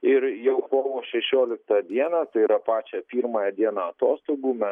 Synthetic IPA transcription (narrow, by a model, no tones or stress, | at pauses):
ɪɾjɛʊkoːʋoːʃʲɛʃʲoːlʲɪk̚t̪ɑd̪ʲiɛnɐːt̪ɐɪiɾɐpɑːt͡ʃʲɛpʲiːɾmɐjɛd̪ʲiɛnɐɐt̪oːst̪oːɡuːmʲɛ